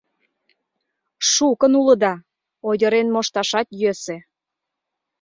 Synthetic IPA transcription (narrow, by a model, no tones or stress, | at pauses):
ʃukənuləd̪ɑ | ojʲə̆ɾenmoʃt̪ɑʃɑt̪jøse